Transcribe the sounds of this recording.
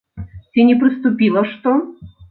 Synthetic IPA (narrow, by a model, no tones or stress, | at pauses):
t̪ʲɪnʲɪpɾʲɪst̪ʊpʲilˠəʂt̪ɔ